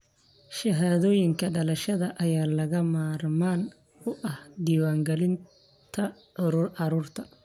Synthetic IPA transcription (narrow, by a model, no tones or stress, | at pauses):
ʃɐɦaːðɔːjɪŋkʰɐɖɐlɐʃɐðɐʔɐjaːlɐɣɐmaːrmaːn | ʊʔɐhd̪iːwaːŋɡɛlɪn | t̪ʰɐʕʊɾuːrʕɑɾuːrt̪ʰɐ